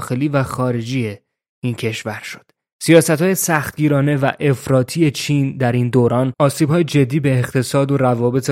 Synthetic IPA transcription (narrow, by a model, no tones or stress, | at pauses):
xe̞liːvæxɒːɾe̞d͡ʒie | incʰe̞ʃvæɾʃo̥d̪̥ | sijɒːsæt̪hɒːje̞sæxt̪ɟiːɾɒːne̞væʔe̞fɾɒːt̪ʰiːje̞t͡ʃʰiːnd̪æɾind̪oːɾɒːnɒːsiːbhɒːjed͡ʒe̞d̪ːiːbe̞ːχt̪ʰe̞sɒːd̪oɾævɒːbe̞t̪ʰe